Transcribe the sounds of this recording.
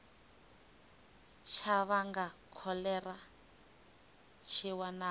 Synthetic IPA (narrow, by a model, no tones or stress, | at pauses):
t͡ʃʰaβaŋɡakʰɔlɛra | t͡ʃʰiwana